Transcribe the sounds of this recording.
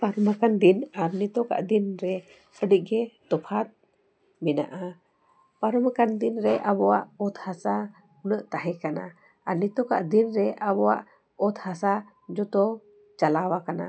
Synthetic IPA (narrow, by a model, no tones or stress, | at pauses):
paɾumakand̪inaɾnit̪ɔka̰ʔd̪inɾɛ | əɖiʔ̚ɡɛt̪ɔpʰat̪̚ | mina̰ʔa | paɾumakand̪inɾɛʔabɔwaʔɔt̪hasa | nəʔt̪aɦɛkana̰ | anit̪ɔka̰ʔd̪inɾɛabɔwa̰ʔ | ɔt̪hasa | d͡ʒɔt̪ɔ | t͡ʃalawakana̰